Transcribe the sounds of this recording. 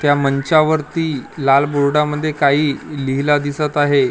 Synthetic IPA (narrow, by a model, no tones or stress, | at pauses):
t̪jaməɲt͡ɕaʋəɾt̪iːlalboɽɽaməd̪ʱːjekaɦiːliɦilad̪isət̪aɦe